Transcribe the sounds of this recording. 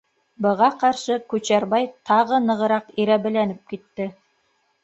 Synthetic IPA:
bɤ̆ʁɑqɑɾʃɤkʉt͡ɕæɾβɑjt̪ʰɑʁɤnɤ̆ʁɤ̆ɾɑqiɾæβɘ̆lænɘp̚kit̪ːɘ

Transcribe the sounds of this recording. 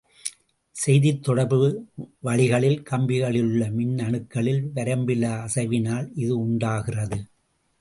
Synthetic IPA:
sɛjðɪt̪ːɔɽɐɾbɯʋɐɻɪɣɐɭɪlkɐmbɪɣɐɭɪlɯɭːɐmɪnːɐɳɯkːɐɭɪlʋɐɾɐmbɪlɐːsɐʋɪnaːlɪðɯʊɳɖaːɣɪrɐðɯ

